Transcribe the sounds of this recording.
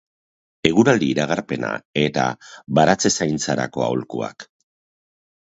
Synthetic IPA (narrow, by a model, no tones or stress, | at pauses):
e̞ɣuɾald̪iːɾaɣ̞aɾpe̞na̰e̞t̪a̰βaɾat͡se̞sajnt͡saɾa̰ko̞a̰wlkua̰k